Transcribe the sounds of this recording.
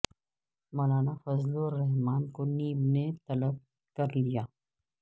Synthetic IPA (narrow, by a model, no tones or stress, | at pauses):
mɐːlaːnafɐzloɾɛɦmaːnkoniːbnet̪ɐləb̚ | kɐɾlijaː